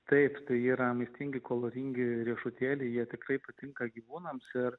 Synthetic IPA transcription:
t̪ɐɪpt̪ɐɪiːɾɐmɐɪsʲt̪ʲɪŋʲɡʲɪkoːlˠoːɾʲɪŋʲɡʲɪɾʲiɛʃʊt̪ʲæːlʲɛɪjiɛt̪ʲɪkɾɐɪpɐt̪ʲɪŋkɐɡʲiːʋuːnɐmsɪr

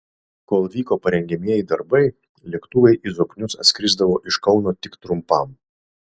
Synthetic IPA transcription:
koːlˠʋʲiːkoːpɐɾʲɛŋʲɡʲɛmʲiɛjɪd̪ɐɾbɐɪ | lʲɛkt̪uːʋʲɛɪʔizoːknʲʊsɐ̰t̪sʲkʲɾʲɪzd̪ɐʋoːʔɪʃkɒʊnoːt̪ʲɪkt̪ɾʊmpɐm

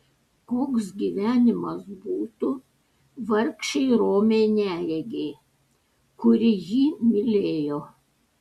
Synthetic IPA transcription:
koːksɡʲiːʋʲæːnʲɪmɐsbuːt̪u | ʋɐɾkʃʲɛɪɾoːmʲeːnʲæːjʲɛɡʲeː | kʊɾʲɪjiːmʲɪlʲeːjoː

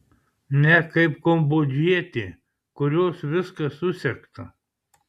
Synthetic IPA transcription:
nʲɛkɐɪpkombod͡ʒʲiɛt̪ʲɪ | kʊɾʲoːsʋʲɪskɐsʊsʲɛkt̪ɐ

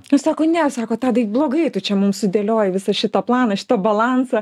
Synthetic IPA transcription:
nʊsɑːkoːnʲɛsɑːkoːt̪ɑːd̪ɐblˠoːɡɐɪt̪ʊt͡ʃʲɛmʊmsʊd̪ʲeːlʲoːjɪʋʲɪsɐʃʲɪt̪ɐplˠɑːnɐʃʲɪ̥t̪oːbɐlˠɑːnsɐ

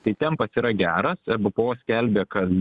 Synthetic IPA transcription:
t̪ɐɪt̪ʲɛmpɐsiːɾɐɡʲæːɾɐsɛbʊpoːsʲkʲɛlʲbʲeːkɐlʲ

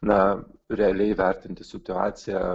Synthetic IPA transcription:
nɐɾʲɛɐlʲɛɪʋʲɛɾʲt̪ʲɪnʲt̪ʲɪsʲɪt̪ʊɑ̰ːt̪sʲɪjæ

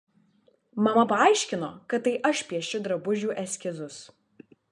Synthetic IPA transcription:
mɐmɐpɐɐˑɪʃʲkʲɪnoːkɐt̪̚ːɐɪʔɐʃʲpʲiɛʃʲʊd̪ɾɐbʊʒʲuːʔɛsʲkʲɪzʊs

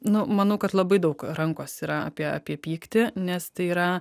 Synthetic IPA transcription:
nʊmɐnɐʊkɐt̪lˠɐbɐɪd̪ɐʊkɾɐŋkoːsiːɾɐɐ̰ːpʲiɛɐ̰ːpʲiɛpʲiːkt̪ʲɪnʲɛst̪ɐɪiːɾɐ

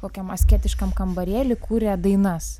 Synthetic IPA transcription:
koːkʲɛmɐsʲkʲeːt̪ʲɪʃkɐmkɐmbɐɾʲeːlʲɪkuːɾʲɛːd̪ɐɪnɐs

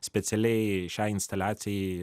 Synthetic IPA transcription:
sʲpʲɛt̪sʲɛlʲɛɪʃʲæɪɪnst̪ɐlʲæːt̪sʲɪjɛ

